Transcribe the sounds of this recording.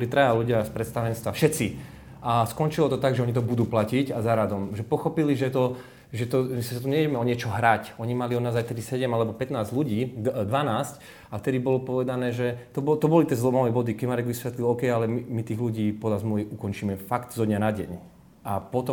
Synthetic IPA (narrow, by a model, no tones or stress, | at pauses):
ɔlit̪ɾajaluɟɪaspɾɛt̪st̪aʋɛnst̪ʋafʃɛt̪t͡si | askɔnt͡ʃilɔt̪ɔt̪aɡʒɛɔɲit̪̬ɔbud̪uːplacicazaɾad̪ɔmʒɛpɔxɔpiliʒɛt̪ɔ | ʒɛt̪ɔʒɛssat̪ɔɲɛʋɛɟɛmɛɔɲɪɛt͡ʃɔɦɾacɔɲimaliɔd̪naːzajft̪ɛd̪isɛɟɛmalɛbɔpɛt̪naːzɟluɟiːd̪ʋanaːsc | aft̪ɛd̪ibɔlɔpɔʋɛd̪anɛːʒɛt̪ɔbɔt̪ɔbɔlit̪jɛzlɔmaʋɛbɔd̪ikɛmaɾɛɡʋisʋɛt̪lilɔkɛjalɛmimit̪iːɣluɟiːpɔd̪lazmluʋiʔukɔnt͡ʃiːmɛfakt̪zɔd̪ɲanaɟɛ̰ɲ | apɔt̪ɔ